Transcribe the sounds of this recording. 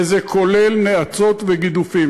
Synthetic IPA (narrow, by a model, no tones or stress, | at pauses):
zekʰolelneat͡so̞t̪veɡid̪ufim